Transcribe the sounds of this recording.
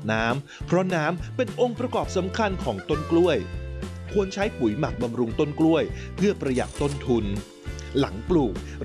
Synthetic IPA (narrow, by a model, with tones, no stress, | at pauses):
naː˦˥m | pʰɾɔ˦˥naː˦˥mpe˧nʔo˧ŋpɾa˧kɔː˨˩p̚sa˩˦mkʰa˧nkʰɔː˩˦ŋt̪o˥˩nklu˥˩əjkʰu˧ənt͡ɕʰa˦˥jpu˨˩˦jma˨˩k̚ba˧mɾu˧ŋt̪o˥˩nklu˥˩əj | pʰɯ˥˩ɐpɾa˧ja̰˨˩k̚t̪o˥˩nt̪ʰu˧n | la̰˩˦ŋpluː˨˩k̚